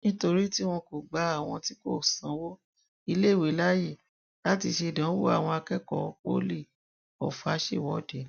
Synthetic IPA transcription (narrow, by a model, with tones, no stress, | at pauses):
nĩ˦to˧ɾi˦ti˦w̃ɔ̃˧ko˨ɡ͡ba˨˦a˦˨w̃ɔ̃˧ti˦ko˦˨sã˨˦wo˦ | i˧le˦˨we˨˦la˦je˦˨ | la˦ti˧ʃe˧i˨dã˨˦wo˦a̰˦˨w̃ɔ̃˧a˧kɛ˦kɔ̰˦˨˦k͡po̰˦le˦˨ | ɔ̰˨fa˨˦ʃe˦˨wɔ˨˦˨de˨˦